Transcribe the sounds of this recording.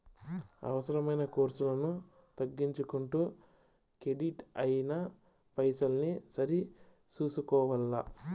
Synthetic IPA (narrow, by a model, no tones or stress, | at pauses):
ɐ̰ʋɐsɐɾɐmɐjnɐkoːɾsulɐnu | t̪ɐɡːiɲt͡ʃukuɳʈuː | keɖiʈɐjinɐ | pɐjsɐlnisɐɾi | t͡ʃuːsukɔːʋɐlːɐ